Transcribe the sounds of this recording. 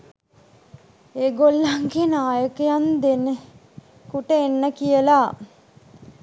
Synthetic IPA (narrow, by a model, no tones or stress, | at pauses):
eːɡolːaŋɡenaːjəkəjand̪enə | kuʈəenːəkijəla